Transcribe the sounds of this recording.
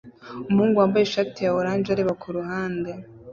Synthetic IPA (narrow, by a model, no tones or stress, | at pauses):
umhuːŋɡuambajeʃatijaoɾaːnd͡ʒaɾeβakʰuɾuɦaːnde